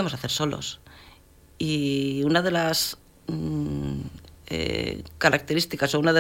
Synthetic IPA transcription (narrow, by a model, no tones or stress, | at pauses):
emo̞saθeɾso̞lo̞̰s | iunað̞e̞las | ḛkaɾak̚t̪e̞ɾist̪ikaso̞unaðe